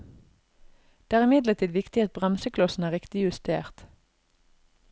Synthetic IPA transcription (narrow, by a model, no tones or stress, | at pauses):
d̪̥eːæːʁɪmɪd̪lət̪ʰiːd̪ʋɪkt̪ɪɑt̪̚bʁɑnsəkʰlɔsn̩æːʁɪkt̪ɪjʉst̪ḛːʁt̪